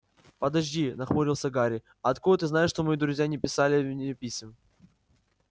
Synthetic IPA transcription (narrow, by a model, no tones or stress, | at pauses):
pəd̪ɐʐʲdʲinɐxmoɾʲɪlˠsʲəɡaɾʲɪ | ɐt̪kud̪ət̪ɨznajɪʂt̪omɐjid̪ɾʊzʲjanʲɪpʲɪsalʲɪvʲnʲɪpʲisʲɪm